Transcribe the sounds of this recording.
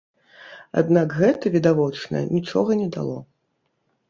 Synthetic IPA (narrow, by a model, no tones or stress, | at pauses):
a̰d̪nakɣɛt̪ɐvʲid̪avɔt͡ʂnɐ̰j̰nʲit͡ʂɔɣɐnʲɛd̪a̰lˠɔ